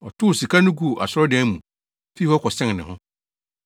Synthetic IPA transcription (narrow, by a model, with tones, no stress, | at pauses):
ɔ˨tʰʊ˦˨si˨kʰa˦nʊ̃˦ɡu˦˨ʔa̰˨sʊ˦ɾɔ˦dɛ̃˦mũ˨ | fi˦hɔ˦kʰɔ˨sɛ̃˦ŋ˨nɪ̃˨hʊ̃˦